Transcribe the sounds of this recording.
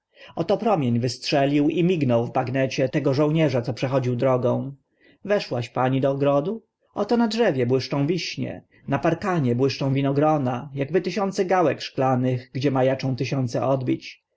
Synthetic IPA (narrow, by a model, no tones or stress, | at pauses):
ɔt̪ɔpɾɔmʲjeɲvɘstʂɛlʲiwimʲiɡnɔwvbaɡnɛt͡ɕɛt̪ɛɡɔʐɔ̃w̃ɲɛʐat̪sɔpʂɛxɔd͡ʑiwd̪ɾɔɡɔ̃w̃ | vɛʂwaɕpaɲid̪ɔːɡɾɔd̪u | ʔɔt̪ɔnadʐɛvʲjɛbwɘʂt͡ʂɔ̃w̃vʲiɕɲɛ̰ | napaɾkaɲɛbwɘʂt͡ʂɔ̃w̃vʲinɔɡɾɔnajaɡbɘt̪ɘɕɔnt̪sɛɡawɛkʂklanɘɣɡd͡ʑɛmajat͡ʂɔ̃w̃t̪ɘɕɔnt̪sɛ̰ʔɔd̪bʲit͡ɕ